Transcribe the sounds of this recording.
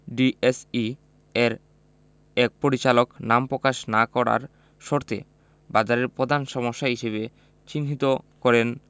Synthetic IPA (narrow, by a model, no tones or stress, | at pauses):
ɖiesi | eɾ | ɛk̚poɾit͡ɕaloknampɾokaʃnakɔɾa̰ɾ | ʃoɾt̪ḛ | bad͡ʑaɾeɾpɾod̪ʱanʃɔmoʃːaɦiʃeβe | t͡ɕinʱit̪okɔɾen